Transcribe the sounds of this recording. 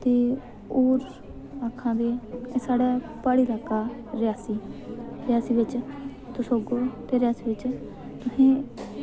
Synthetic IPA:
t̪eː | oːɾ | aːkʰːãːd̪eːsaːɽɛː | paːɽiːlaːkaːɾɪjaːsiːɾɪjaːsiːʋɪt͡ʃ | t̪ʊsoːɡoːt̪eːɾɪjaːsiːʋɪt͡ʃ | t̪ʊsẽː

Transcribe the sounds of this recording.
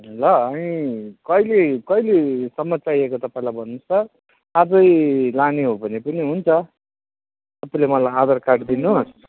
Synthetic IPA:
lʌʌnikʌjlekʌjlesʌmʌt͡sajekot̪ʌpaĩlajbʱʌnːusʌ | ad͡zʌjlaneɦobʱʌnepʌniɦunt͡sʰʌ | ʌpaĩlemʌlajad̪ʌrkaʈd̪inus

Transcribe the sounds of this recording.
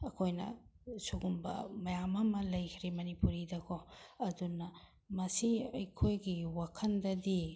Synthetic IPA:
ɐkʰojnɐ̰suɡumbɐ̰mɐjamɐmɐlɐjkʰiɾimɐnipuɾidɐkʰɔɐdunɐ | mɐsiɐjkʰojɡiwakʰɐndɐdi

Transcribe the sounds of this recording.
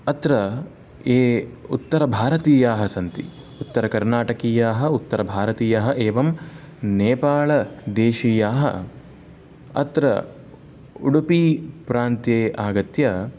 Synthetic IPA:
ɐt̪ɾɐ | eːut̪ːɐɾɐbʱaːɾɐt̪iːjaːɦɐsɐnt̪ḭ | ut̪ːɐɾɐkɐɾnaːʈɐkiːjaːɦɐ̆ut̪ːɐɾɐbʱaːɾɐt̪iːjɐɦɐ̆ʔeːʋɐm | neːpaːɭɐd̪eːʃiːjaːɦɐ̰ | ɐ̰t̪ɾɐ̰ | uɽupipɾaːnt̪jeːʔaːɡɐt̪jɐ

